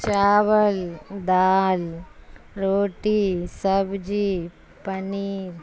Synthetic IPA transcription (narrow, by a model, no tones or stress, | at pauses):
t͡ʃaːʋɐld̪aːl | ɾoːʈisɐbd͡ʒi | pɐniːɾ